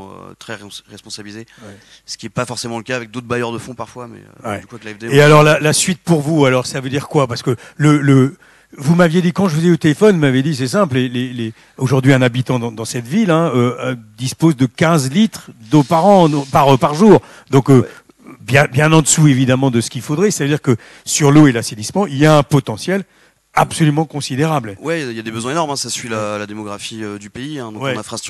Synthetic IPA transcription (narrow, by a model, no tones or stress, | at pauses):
ø̰t̪χɛʁɛspɔ̃sabilizew | sə̥kʲiɛpafɔʁsemɑ̃ləkaːvɛk̚d̪ot̪χbajœʁd̪əfɔ̃paʁfwamɛ̰wɛykwaklaɛfd̪eealɔʁlalasɥit̪̚puʁvualɔʁsavød̪iʁkwapaʁsə̥kələlə | vumavjed̪ikɑ̃ʒəfəzɛot̪elefɔnmaved̪is̬ɛsɛ̃pllelele | oʒuʁd̪ɥiɛ̃nabit̪ɑ̃d̪ɑ̃d̪ɑ̃sɛt̪vilɛ̃ød̪ispozd̪əkʲɛ̃zlit̪χd̪opaʁɑ̃paʁpaʁʒuːʁ | d̪ɔ̃kø | bjɛ̃bjɛ̃nɑ̃d̪əsuevid̪amɑ̃d̪əsə̥kilfod̪ʁɛse̥t̪avəd̪iʁkə | syʁloelaselismɑ̃iljaɛ̃pɔt̪ɑ̃sjɛl | apsɔlymɑ̃kɔ̃sid̪eʁablwɛiljad̪ebəzwɛ̃enɔʁmɛ̃sasɥilalad̪emɔɡʁafiød̪ypeiɛ̃d̪ɔ̃wɛãfast̪